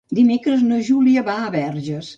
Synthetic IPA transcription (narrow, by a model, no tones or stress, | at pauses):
d̪imekɾəznəʒuliəβaəβɛɾʒəs